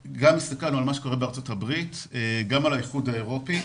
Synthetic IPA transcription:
ɡamist̪akalnualmaʃe̥ko̞ʁebeaɐʁt͡so̞tabʁiteɡamalajiχudhaeʁo̞pi

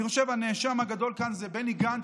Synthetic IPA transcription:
iʁʃevhaneʃamhaɡad̪o̞lkanzebeniɡan

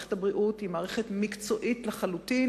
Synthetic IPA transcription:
ethabʁiʔuthimaːʁeχetmikt͡so̞ʔitleχalutin

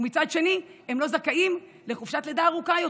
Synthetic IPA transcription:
mit͡sad̪ʃe̞nie̞mlo̞zakaʔim | le̞χufʃat̪led̪aːʁukajo

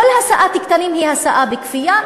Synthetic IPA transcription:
ʊlhasaːʔat̪ɪkt̪aniːmhiːhasaːʔabɪkfɪjːa

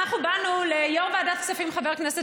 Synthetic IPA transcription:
aχnubanulejoʁveadatksafimχaveʁknɛsɛ

